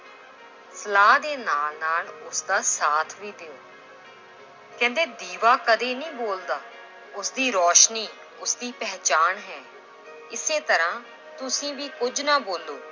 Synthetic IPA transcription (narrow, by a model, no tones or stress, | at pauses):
səlaːd̪eːnaːlnaːlʊsd̪aːsaːt̪ʰʋiːd̪eoː | kɛ̃ːnd̪eːd̪iːʋaːkəd̪eːnĩːboːld̪aː | ʊsd̪iːɾɔːʃniː | ʊsd̪iːpɛːt͡ʃaːnɦɛː | ɪseːt̪əɾãː | t̪ʊsĩːʋiːkʊd͡ʒnaːboːlːoː